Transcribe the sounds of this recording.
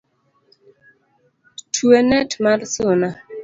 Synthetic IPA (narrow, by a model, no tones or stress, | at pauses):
tʰwenɛtmarsʊna